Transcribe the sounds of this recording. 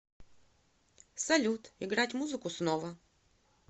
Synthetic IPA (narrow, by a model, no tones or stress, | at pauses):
sɐlʲut̪ɪɡɾatʲmuzɨkʊsnovə